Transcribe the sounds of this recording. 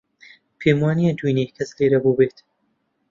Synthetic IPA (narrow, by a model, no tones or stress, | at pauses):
pʰeːmwɑːnijɛd̪uneːkʰɐsleːɾɐbuːbeːt̪